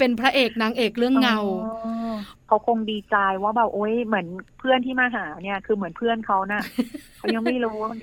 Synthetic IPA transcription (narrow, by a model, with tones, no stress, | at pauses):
pe˧npʰɾa˦˥ʔeː˨˩k̚naː˦˥ŋʔeː˨˩k̚ɾɯ˥˩əŋːa˧w | kʰa˦˥wkʰo˧ŋdiː˧t͡ɕa˧jwaː˥˩bɛː˨˩wʔoː˦˥jmɯ˩˦ənpʰɯ˥˩ənt̪ʰiː˥˩maː˧ɦaː˩˦ni˥˩ɐkʰɯː˧mɯ˩˦npʰɯ˥˩ənkʰa˦˥wna˧˩kʰa˧˦˥wja˧ŋma˥˩jloː˦˥n